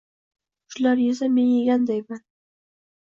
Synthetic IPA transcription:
ʃlaɾjɪzame̞njeɡʲand̪ajman

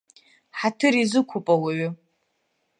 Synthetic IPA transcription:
ħatʰɨɾizɨkʷʰʊpʼawaɥʏ

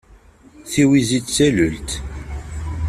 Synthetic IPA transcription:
θiwizit͡ssælʊlt̪

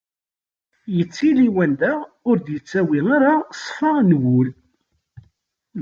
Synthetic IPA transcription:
jət͡sːiliwænd̪æ | ʊɾd̪jət͡sːæwiaɾasˤfənwʊl

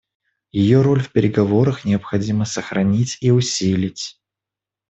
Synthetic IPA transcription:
jɪjo̞ɾo̞lʲfpʲɪɾʲɪɡɐvo̞ɾəxnʲɪɐpxɐdʲiməsəxɾɐnʲitʲiʊsʲilʲɪtʲ

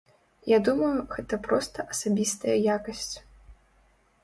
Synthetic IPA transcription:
jad̪umɐjuɣɛt̪ɐpɾɔst̪ɐʔɐsabʲist̪ɐjɐjakɐsʲt͡sʲ

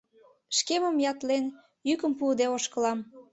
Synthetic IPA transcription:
ʃkeməmjɑt̪len | jykəmpud̪eoʃkə̆lɑm

